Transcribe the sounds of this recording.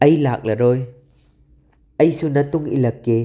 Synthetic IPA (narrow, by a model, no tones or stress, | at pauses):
ʔɐjlaːk̚lɐɾɔj | ʔɐjsunɐt̪ʊŋʔḭlɐkːe